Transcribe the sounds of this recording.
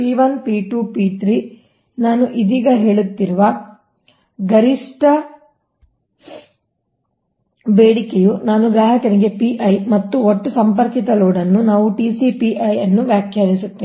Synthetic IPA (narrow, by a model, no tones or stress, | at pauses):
piːʋɐnpiːʈuːpiːt̪ɾiː | naːnuʔid̪iːɡɐɦe̞ːɭut̪ːiɾuʋɐ | ɡɐɾiʂʈɐ | beːɽikejunaːnuɡɾaːɦɐkɐniɡe̞piːʔɐjmɐt̪ːuoʈːusɐmpɐɾkit̪ɐloːɖɐnːunaːʋuʈiːsipiːʔɐjɐnːuʋjaːkʰjaːɾisut̪ːeː